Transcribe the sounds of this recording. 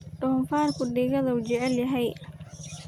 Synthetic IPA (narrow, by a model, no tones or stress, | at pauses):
ɖʊːnfaːrkʰʊɖɪːɣɐðɐut͡ʃɛʕɛljɐɦɛj